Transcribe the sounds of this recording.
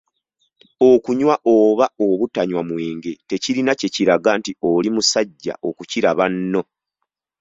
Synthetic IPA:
okuɲwaʔoːβaoβutaɲwamweːŋɡe̞te̞ciɾinace̞ciɾaɡaːntio̞limusaɟːa̰ʔo̞kuciɾaβanːo̞

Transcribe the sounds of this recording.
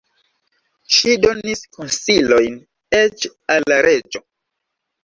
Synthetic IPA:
ʃido̞niskonsilo̞jn | et͡ʃalːaɾʔe̞d͡ʒo̞

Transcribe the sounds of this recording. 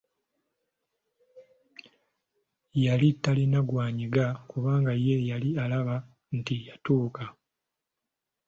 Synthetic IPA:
jalitːalinaɡwaːɲiɡakuβaːŋɡajejalialaβa | ntijatuːka

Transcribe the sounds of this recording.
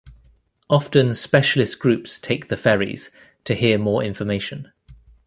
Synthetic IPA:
ʔɒftə̃nspɛʃəlɪsɡ̥ɹʉˑpstʰeɪk̚ðəfɛːɹḭz̥ | tʰəhɪəmɔːɹɪ̰̃ɱfəmeɪʃə̃n

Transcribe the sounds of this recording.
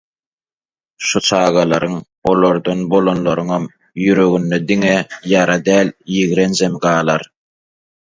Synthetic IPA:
ʃut͡ʃʰɑːɣɑlˠɑɾɯŋ | o̞lˠoɾd̪onbo̞lˠonlˠoɾɯŋɑm | jyɾø̞ɣynːed̪iŋejɑɾɑd̪æːljiɣɾend͡ʒemɡɑːlˠɑɾ

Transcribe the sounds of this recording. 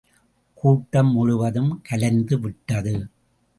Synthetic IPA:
kuːʈːɐmːʊɻʊʋɐðɯmkɐlɐnd̪ɯʋɪʈːɐðɯ

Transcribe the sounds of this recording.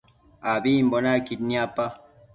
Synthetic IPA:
abim̩bɔnakit̚niapa

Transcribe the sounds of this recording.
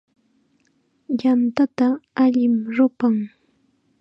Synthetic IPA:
jant̪at̪aaʎɪmɾʊpaŋ

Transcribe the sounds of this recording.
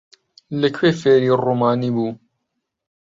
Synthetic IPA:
ləkʰweːfeːɾiːruːmaːniːbuː

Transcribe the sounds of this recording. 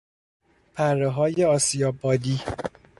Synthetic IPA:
pʰærːeɦɒːjeɒːsijɒːbɒːd̪iː

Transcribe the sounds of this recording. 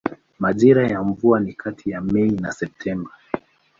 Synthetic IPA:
maʄiɾajaɱvuanikʰatʰijamɛina̰sɛp̚tʰɛmba

